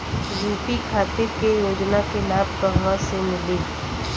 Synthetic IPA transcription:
d͡ʒiːpikʰaːt̪ɪɾkejoːd͡ʒnakelaːb̚pəɦʋãsemɪliː

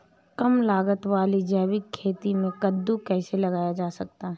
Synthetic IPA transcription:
kɐmlaːɡət̪ʋaːlid͡ʒɛːʋɪkʰːeːt̪imẽkɐd̪ːukɛːselɐɡaːjad͡ʒaːsɐk̚t̪aɦɛ

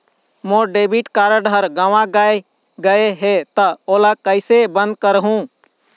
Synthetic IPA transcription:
moɖebiʈkaːɾəɖʱəɾɡaʋãɡəe | ɡəeɦet̪əolakəɪsebə̃nd̪̚kəɾɦũ

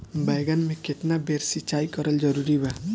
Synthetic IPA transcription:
bajɡənmẽket̪nabeɾsit͡ʃaːikəɾəld͡ʒəɾuɾiba

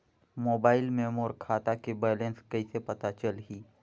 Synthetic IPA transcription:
moːbaːɪlmeːmoːɾkʰaːt̪akebɛːlẽnskɐisepɐt̪at͡ʃəlɦiː

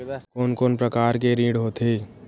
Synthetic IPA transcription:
koːnkoːnpɾəkaːɾkeɾĩːɽɦoːt̪ʰeː

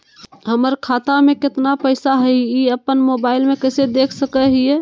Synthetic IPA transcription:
ɦəməɾkʰat̪amẽkɪt̪napəɪsaɦəiiəpːənmobaɪlmẽkəɪsed̪ekʰsəkəɦiɛ

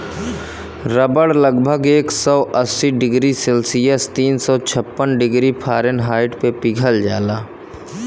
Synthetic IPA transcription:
ɾəbəɽləɡbʱəɡeːksɔːʔəsːiɖɪɡɾiselsijəst̪iːnsɔːt͡ʃʰəpːənɖɪɡɾipʰaːɾənɦaːɪʈpepɪɡʱəld͡ʒaːlaː

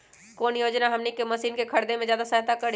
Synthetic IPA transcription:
koːnjoːd͡ʒnaɦɐmnekemɐsiːnkekʰɐɾd̪ẽmẽzjaːd̪asɐɦt̪akɐɾ

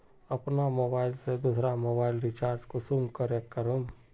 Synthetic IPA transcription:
əpnamoːbaːɪlsed̪usɾamoːbaːɪlɾit͡ʃaːɾd͡ʒkosumkəɾekːəɾom

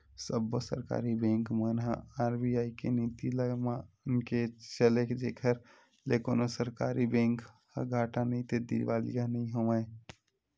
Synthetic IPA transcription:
səbːəsə̰ɾka̰ːɾibẽːŋkmənɦaaːɾbiaːikenit̪iləɡmãʊnket͡ʃəlekd͡ʒeːkʰəɾ | lekoːnosəɾkaːɾʔibẽːŋk | ɡʱaːʈanəĩt̪ed̪ḭɾʋaːlḭjanəĩɦoʋae

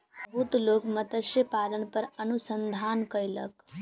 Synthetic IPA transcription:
bəɦut̪loːkmət̪əʃəpaːlənpəɾənusənd̪ʱaːnkəjlə̰k

